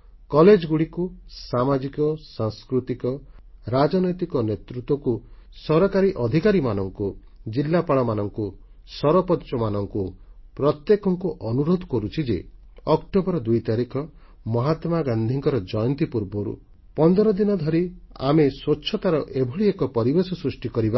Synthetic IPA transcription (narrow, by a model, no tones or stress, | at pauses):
kɔled͡ʒɔɡuɽikusamad͡ʒikɔsaŋskɾut̪ikɔɾad͡ʒɔnɔjt̪ikɔnet̪ɾut̪wɔku | sɔɾɔkaɾiʔɔd̪ʱikaɾimanɔŋku | d͡ʒilːapaɭɔmanɔŋku | sɔɾɔpɔt͡ʃɔmanɔŋku | pɾɔt̪jekɔŋkuʔɔnuɾod̪ʱɔkɔɾut͡ʃʰid͡ʒḛ | ɔkʈobɔɾɔd̪ujt̪aɾikʰɔ | mɔɦat̪maɡand̪ʱiŋkɔɾɔd͡ʒɔjɔnt̪ipuɾbɔɾṵ | pɔnd̪ɔɾɔd̪inɔd̪ʱɔɾia̰meswotːʃʰɔt̪aɾɔʔebʱɔɭiekɔpɔɾibesɔsɾusʈikɔɾiba